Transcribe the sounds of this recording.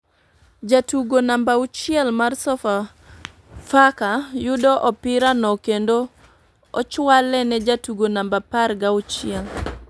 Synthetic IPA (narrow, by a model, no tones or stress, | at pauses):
d͡ʒatuɡonambaʊt͡ʃɪɛlmarsɔfa | fakajʊdɔʔɔpɪɾanɔkendo | ɔt͡ʃwalɛnɛd͡ʒatuɡonambapaɾɡaʊt͡ʃɪɛl